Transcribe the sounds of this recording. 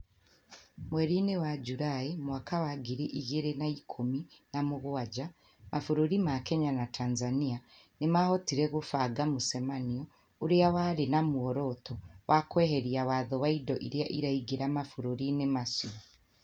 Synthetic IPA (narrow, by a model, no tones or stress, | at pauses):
mweɾinewaɟuɾaemuwakawaɡiɾiʔiɣeɾenaikʰominamuɣuwaɟa | mʔafuɾuɾimakeɲanatʰaːnzanija | nimahotiɾeɣufaɡamusemanijo | uɾijawaɾinamuoɾotowʔakweːheɾiawaːðowaidoʔḭɾjaʔiɾaiɡiɾamafuɾuɾinemasuo